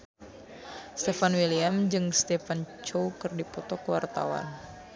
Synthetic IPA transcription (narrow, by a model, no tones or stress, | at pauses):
st̪efanwiliamd͡ʒɨŋst̪efant͡ʃowkɨrdipɔt̪ɔkwa̰rt̪a̰wa̰n